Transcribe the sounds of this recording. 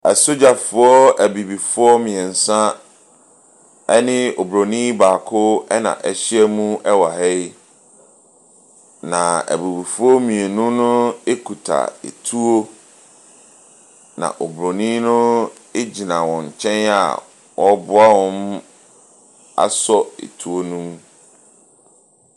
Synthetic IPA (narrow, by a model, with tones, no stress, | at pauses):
a˨so˦d͡ʑa˨fʊ˦ɔ˦æ˨bi˨bi˨fʊ˦ɔ˦mĩ˨ɛ˨n̩˨sã˦ | ɛ˦nɪ̃˦o˨bɾo˨nĩ˦baː˨kʰʊ˦ɛ˦nã̰˨ʔɛ˨ɕɪ˦ɛ˦mũ˦ɛ˦wa˨hɛ˦i˦ | nã˨æ̰˨bi˨bi˨fʊ˦ɔ˦mĩ˨e˨nʊ̃˦nʊ̃˦e˦kʰu˨tʰa̰˨ḛ˨tʰu˦o˦ | nã̰˨ʔo˨bɾo˨nĩ˦nʊ̃˦ | e˦d͡ʑi˨nã˨wɔ̃˨ɲ˨t͡ɕʰɛ̃˦na̰˨ | wɔ˦bʊ˦a˦wɔ̃˦m | a̰˦sɔ˦ḛ˨tʰu˦o˦nũ˦m